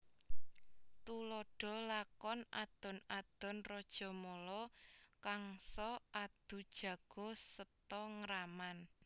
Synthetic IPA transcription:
t̪ulɔɖ̥ɔ̤lakɔna̰d̪̥ɔ̤nad̪̥ɔ̤nrɔd̥ʒ̥ɔ̤mɔlɔkaŋsɔad̪̥ṳd̥ʒ̥ä̤ɡ̥ɔ̤sət̪ɔŋəɾaman

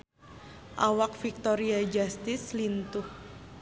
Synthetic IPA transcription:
ʔawakfik̚t̪oɾiad͡ʒast̪ɪslint̪ʊh

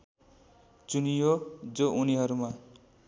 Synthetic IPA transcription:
t͡sunijod͡zoʔuniɦʌɾuma

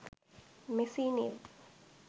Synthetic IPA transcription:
mesiːnḭl

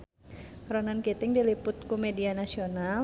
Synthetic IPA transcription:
ɾonankit̪ɪŋdilipʊt̪̚kumɛdianasional

